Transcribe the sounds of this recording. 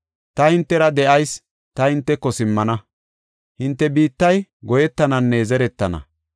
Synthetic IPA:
t̪ɐhɪnt̪ːɛɾɐd̪ɛʔɐjs | t̪ɐhɪnt̪ːɛkːɔsɪmːɐnɐ | hɪnt̪ːɛbiːt̪ːɐjɡɔjɛt̪ːɐnɐnːɛzɛɾɛt̪ːɐnɐ̰

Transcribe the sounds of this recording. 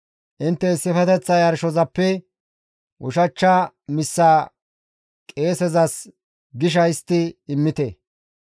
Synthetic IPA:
ʔɪnt̪ːɛɪsːɪfɛt̪ɛt͡sːɐjɐɾʃɔzɐpːɛ | ʔʊʃɐt͡ʃːɐ | mɪsːaː | kʼe̞ːsɛzɐs | ɡɪʃ̬ɐjɪst̪ːɪɪmːɪt̪ɛ

